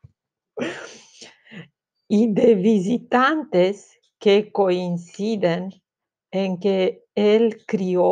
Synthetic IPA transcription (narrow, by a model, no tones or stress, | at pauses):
id̪evizit̪ant̪es | kekoinsid̪en | eŋke | elkɾio